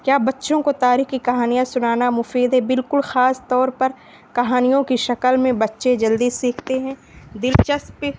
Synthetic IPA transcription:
kjaːbɐtːʃõkot̪aːɾiːxkikɐɦaːnijãsʊnaːnamʊfiːd̪ɦɛbɪlkʊlxaːst̪ɔːɾpɐɾ | kɐɦaːnijõkiʃɐkəlmẽbɐtːʃed͡ʒɐld̪isːiːkʰt̪eɦɛ̃ːd̪ɪlt͡ʃɐsp

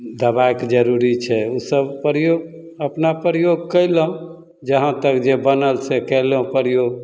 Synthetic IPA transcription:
d̪əbaekd͡ʒəɾuɾit͡ʃʰɛusəbpɾjoɡ | əpnapɾjoɡkələõ | d͡ʒəɦə̃t̪əkd͡ʒebənəlsɛkɛlõpəɾjoɡ

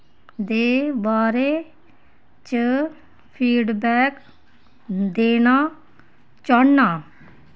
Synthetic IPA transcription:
d̪eːbaːɾeː | t͡ʃə | pʰiːɖbɛːk | d̪eːnaː | t͡ʃəɳnaː

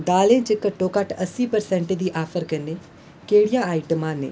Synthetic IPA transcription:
d̪aːlẽːd͡ʒɪkəʈoːkaʈəsiːpəɾsɛ̃ːɳʈed̪iːʔaːfʰəɾkəneː | keːɽijãːaːɪʈəmãːnḛː

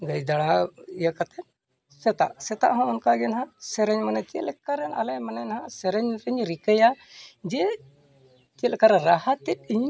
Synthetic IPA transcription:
ɡəjd̪aɽaijakat̪ɛ | sɛt̪a̰ʔsɛt̪a̰ʔɦãɔnkaɡɛnɦãsɛɾɛɲmanat̪iə̰lɛkaɾɛna̰lɛjmananhãsɛɾɛɲɾɛɲɾikəja | d͡ʒɛ | t̪iəlɛkaɾɛɾaɦat̪ɛt̪̚iɲ

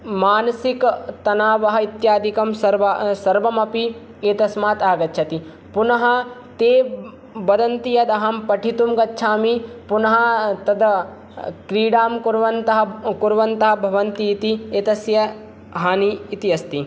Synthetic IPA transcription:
maːnɐsikt̪ɐnaːʋɐɦɐit̪jaːd̪ʱikɐmsɐɾʋɐsɐɾʋɐmɐpi | eːt̪ɐsmaːt̪aːɡɐtːt͡ʃʰɐt̪i | punɐɦɐ̆t̪eː | bɐd̪ɐnt̪ijɐd̪ɐɦɐmpɐʈʰit̪umɡɐtːʃʰaːmipunɐɦɐt̪ɐd̪ɐ | kɾiːɖaːmkuɾʋɐnt̪ɐɦɐkuɾʋɐnt̪ɐɦɐ̆bʱɐʋɐnt̪iːt̪ieːt̪ɐsjɐ | ɦaːniːt̪iɐst̪i

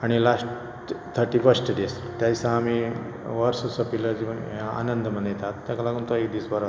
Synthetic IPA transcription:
aɽ̃ilasʈ | t̪ʰːəɾʈiːfəɾsʈɖes | t̪jaisãːmi | ʋəɾsəsəpiləd͡ʑiʋa̰nənd̪mənjet̪at̪ːjaklaɡuːnt̪oekd̪iːsbəɾa

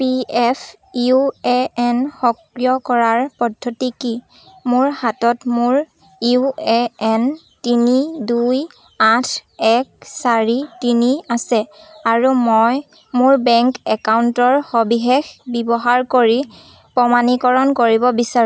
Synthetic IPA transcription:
piɛpʰ | iuɛɛnxɔkɹijɔkɔɹaɹpɔdʱːotiki | mʊɹhatɔtmʊɹ | iɛɛn | tiniduj | atʰɛksaɹitiniasɛaɹumɔj | mʊɹbɛŋkɛkauntɔɹhɔbixexbibɔɦaɹkoɹi | pɔmanikɔɹɔnkoɹibɔbisaɹ

